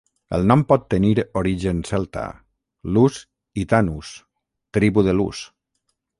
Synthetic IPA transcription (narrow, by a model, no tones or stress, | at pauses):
ə̰lˠnɔmpɔt̪ːəniɾoɾiʒənsɛlˠt̪a̰ | lus | it̪anus | t̪ɾiβuðəlṵs